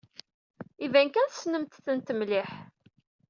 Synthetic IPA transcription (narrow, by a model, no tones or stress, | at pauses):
ivæŋkænθsnəmt̪θənt̪əmlɪħ